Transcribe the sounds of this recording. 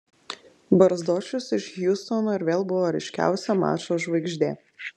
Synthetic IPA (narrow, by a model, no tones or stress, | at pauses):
bɐɾzd̪oːt͡ʃʲʊsɪʃjʊst̪ɔnoːɪɾʋʲeːlˠbʊʋoːɾʲɐɪʃʲkʲæ̰ˑʊsʲɛmɑ̰ːt͡ʃoːʒʋɐɪɡʒʲd̪ʲḛː